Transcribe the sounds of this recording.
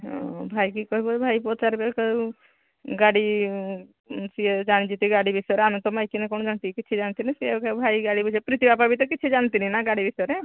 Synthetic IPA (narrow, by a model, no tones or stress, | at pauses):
ɦɔ̰̃bʱajk̬ikɔɦibɔbʱajpɔt͡ʃaɾbekɔ | ɡaɽi | sied͡ʒañid͡ʒit̪iɡaɽibisɔɾeamit̪ɔmajkinɛkɔnɔ̃d͡ʒant̪ikit͡ʃʰid͡ʒant̪inisekbʱajɡaɽibud͡ʒʰepɾit̪ibap̬abʱit̪̬ɔkit͡ʃʰid͡ʒant̪ininaɡaɽibʱisɔɾe